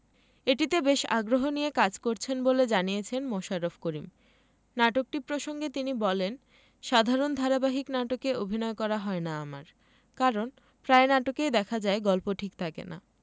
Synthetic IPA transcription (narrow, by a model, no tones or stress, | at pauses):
eʈit̪ebeʃa̰ɡɾoɦoniekad͡ʑkoɾt͡ɕʰenboled͡ʑanijet͡ɕʰenmoʃaɾofʰkoɾim | naʈok̚ʈipɾoʃoŋɡet̪inibɔlen | ʃad̪ʱaɾond̪ʱaɾabaɦiknaʈokeobʱinɔekɔɾaɦɔenaama̰ɾ | kaɾon | pɾaenaʈokejd̪ɛkʰad͡ʑaeɡɔlpoʈʰikt̪ʰakḛna̰